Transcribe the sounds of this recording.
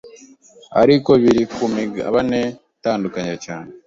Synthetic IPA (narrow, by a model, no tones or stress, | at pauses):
a̰ɾikoβiɾikumiɡa̰βane | taːndukaɲacaːne